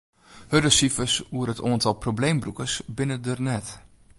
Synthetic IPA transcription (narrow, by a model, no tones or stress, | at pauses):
hødəsifəsuəɾətoəntɔlˠprowblejmbrukəsbɪnədərnɛt